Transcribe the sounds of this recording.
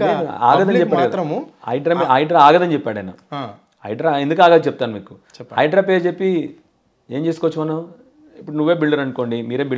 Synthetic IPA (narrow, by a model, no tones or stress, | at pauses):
neːa̰ːɡɐd̪ɐnd͡ʒɛpːaːɽikɐd̪ɐmɐ̰jɖɾɐmiɐjɖɾaaːɡɐd̪ɐnt͡ʃɛpːaːɽɐjna̰ | ɐ̰jɖɾaend̪ukaːɡaːd̪t͡ʃɛp̚t̪aːnumiːku̥t͡ʃɛpːɐjɖɾaːp̬ed͡ʒepːi | e̞ːɲt͡ʃe̞ːs̬ukɔʋɐt͡ʃːumɐnːa | ipːuʈnuʋːeːbiɭɖɐɾɐnuko̞ːɳɖimiːɾeːbi